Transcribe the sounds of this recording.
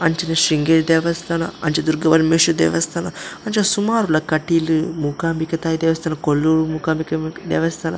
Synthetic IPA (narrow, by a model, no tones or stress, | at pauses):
ɐɲt͡ʃinɐʃiŋɡeɾd̪eːʋɐst̪ʰaːnɐ̰ɐnt͡ʃɐd̪uɾɡɐbɐnmeʃud̪ḛːʋɐst̪ʰaːnɐɐɲt͡ʃɐsumaːɾulɐkɐʈilɨmuːkaːmbikɐt̪aːjid̪ɛʋɐst̪ʰanɐkolːuɾumuːkaːmbikɐd̪ɛ̰ːʋɐst̪ʰaːnɐ̰